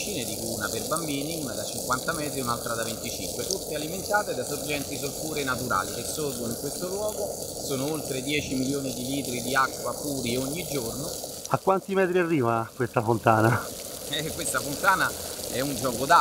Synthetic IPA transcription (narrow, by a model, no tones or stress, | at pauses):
t͡ʃiːned̪ikuːnaperbambiːniuːnad̪at͡ʃiŋkwant̪amɛːt̪ɾiunalt̪ɾad̪avent̪it͡ʃiŋkwet̪ut̪ːealiment̪aːt̪ed̪asord͡ʒɛnt̪isorfuːɾenat̪uɾa̰ːlikesːorɡonoiŋkwest̪olwɔːɡo | soːnoolt̪ɾed̪jɛːt͡ʃimiljoːnid̪iliːt̪ɾid̪iakːwapuːɾioɲːid͡ʒornoakːwant̪imɛːt̪ɾiarːiːvakwest̪afont̪aːna | ɛkːwest̪afont̪aːnaɛund͡ʒɔːkod̪a